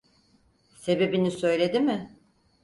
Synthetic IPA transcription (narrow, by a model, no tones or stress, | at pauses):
se̞be̞binisø̞jlʲe̞d̪imɪ